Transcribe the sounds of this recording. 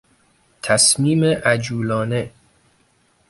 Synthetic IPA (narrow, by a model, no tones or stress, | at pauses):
t̪ʰæsmiːmeʔæd͡ʒuːlɒːne